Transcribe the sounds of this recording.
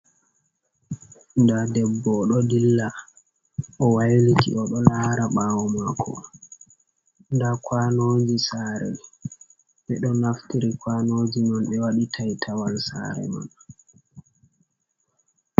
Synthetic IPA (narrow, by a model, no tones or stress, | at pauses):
ndadɛbːɔːɗɔdilːa | ʔɔwajlitḭʔɔɗɔlaːɾaɓawɔmakʰːɔ̰ | ndakwaːnoːd͡ʒisaɾɛ̰ | ɓɛɗɔnaftiɾikwanoːd͡ʒinɔnɓɛwaɗitʰajtʰawalsa̰ɾɛ̰ma̰n